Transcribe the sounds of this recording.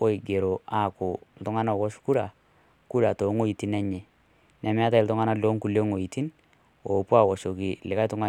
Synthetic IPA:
o˦i˨ɡe˨ɾo˨a˦˨kʊ˨l̩˨tʊ˦ŋa˦na˦˨kɔ˦ʃku˦ɾa˨ | ku˦ɾa˨to˨˦ŋo˦i˨ti˦nɛ˦ɲɛ˨ | nɛ˨m˦a˦ta˦ɪ˨ltʊ˦ŋa˦na˦lo˦ŋku˨le˦ŋo˨i˨ti˦n | o˨pu˦a˦˨wɔ˨ʃo˨ki˨lɪ˨ka˦tʊ˦ŋa˦

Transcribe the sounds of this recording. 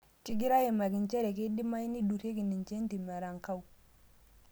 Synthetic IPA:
ki˦ɡi˦ɾa˦je˨ma˨ki˨nt͡ʃɛ˦ɾɛ˨ke˦di˦ma˦i˦ni˦du˨ɾe˦ki˨ni˨nt͡ʃe˦n˦ti˨ma˨ɾa˨ŋka˦u˨

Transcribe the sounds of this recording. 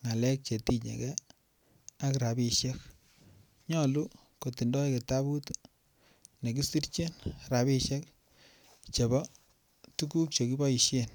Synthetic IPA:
ŋa˨lɛ˦k̚t͡ʃe˨ti˦ɲḛ˨kɛ˦ | a˦kɾa˨bi˦˧ʃje˦k̚ | ɲɔ˦lu˦ | ko˨ti˨ndɔ˦e˦ke˨ta˦βu˦t | ne˨ki˦si˦ɾt͡ʃe˦nɾa˨βi˦ʃjɛ˦k | t͡ʃe˨βɔ˦ | tu˦ku˦k̚t͡ʃo˨ki˦bɔ˦i˨ʃje˦n

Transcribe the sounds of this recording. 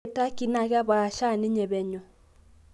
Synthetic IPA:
ta˦ki˨na˨ɣa˦βa˨ʃa˦˨ni˦ɲɛ˨βɛ˨ɲɔ˨

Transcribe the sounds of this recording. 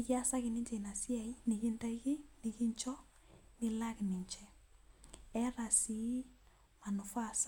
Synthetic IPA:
nɪ˨ki˦a˦sa˦kɪ˨nɪ˦ɲd͡ʒe˨na˨sja˨i˦nɪ˨kɪ˦nta˦i˦ki˦nɪ˨kɪ˦ɲt͡ʃɔ˦ | nɪ˦la˦knɪ˨ɲt͡ʃɛ˦ | ɛ˦ɾa˨si˨˦ | ma˨nʊ˨fa˦˨sa˦

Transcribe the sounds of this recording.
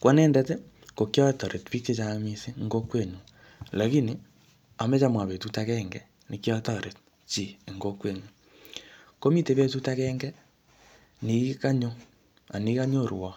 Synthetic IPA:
kwa˦neː˦nde˦te˦ | ko˨kjɔ˦to˨ɾe˨tβi˦ke˦t͡ʃa˦mi˦si˦ŋɡo˦kwe˦˨ɲu˨ | la˨ki˦ni˦ | a˨me˦t͡ʃa˦mwa˨βe˨tu˦ta˦kɛ˦ŋɡe˨ | ni˨kjɔ˦to˦ɾe˨t | t͡ʃi˦˨ŋɡo˦kwe˦˨ɲu˨ | ko˦mi˦te˨βe˦tu˦ta˦kɛ˦ŋɡe˦ | ni˨˦ka˦ɲo˦ | a˨ni˨ka˦ɲo˦˨ɾwa˨

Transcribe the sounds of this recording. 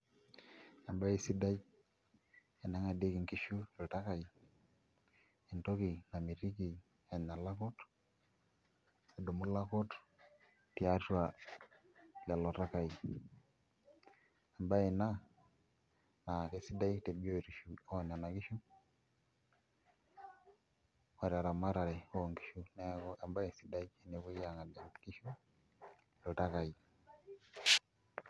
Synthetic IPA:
a˨mba˦i˨si˦da˦i˦ | e˨na˦ŋa˨de˦kɪ˨ŋki˦ʃu˦lo˨ta˦ka˨i˨ | e˨nto˦ki˨na˨mi˨ɾi˦ki˨ | a˨na˨la˦kɔ˦t | a˨do˨mu˦la˦kɔ˦t | ti˦a˦twa˨ | la˨lɔ˨ta˦ka˨i˨ | a˨mba˦e˨na˦ | na˨ke˨si˦da˦i˦kte˨bo˦˨ɾi˨ʃu˦o˦˨n˨a˨na˨ki˦ʃu˦ | wa˨ɾa˨ɾa˨ma˦ɾa˨ɾe˨o˨ŋɡi˦ʃu˦ne˦a˨mba˦e˨si˦da˦i˦ki˦ne˨ku˦ja˨ŋa˨de˨mki˦ʃu˦ | lo˨ta˦ka˨i˨

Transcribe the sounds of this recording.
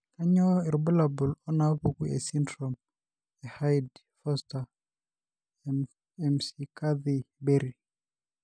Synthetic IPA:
ka˦ɲɔ˦ɛ˨ɾbɔ˦labu˨lɔ˦na˦po˦kuḛ˨sindɾɔm | ɛ˨ha˦jd | fɔ˦sta | ɛmsika˦ði˨be˦ɾi˨

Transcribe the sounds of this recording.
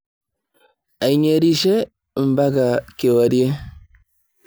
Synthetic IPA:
a˨i˨ɲe˨ɾi˦ʃe˦˨ | m˨ba˦ɡa˨ke˨wa˨ɾi˦e˦

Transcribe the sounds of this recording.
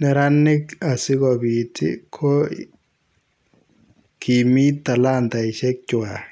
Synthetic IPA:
nɛ˨ɾa˦nːɪ˦ka˨sɪ˦kɔ˨bi˨tɪ̰˦kʰɔ˦ | kʰi˨mi˦t̪ːa˨la˦nta˨ɪ˨ʃɛ˦k̚t͡ʃʊ˨a˨

